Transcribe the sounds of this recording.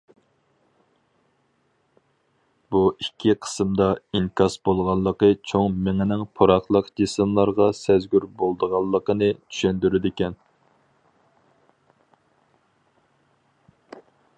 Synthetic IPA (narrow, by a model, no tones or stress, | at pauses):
buikʲʰːiqʰə̥sɨmd̪ɑiŋkʰɑsbolˠʁɑlˠːəqət͡ʃʰoŋmɪŋɪnɪŋpʰoɾɑχlˠəqd͡ʒesɨmlˠɑɾʁɑsɛzɡʲyɾbolˠd̪əʁɑlˠːəqənɨt͡ʃ̪ʰy̥ʃɛnd̪yɾɪd̪ɪkʲɛn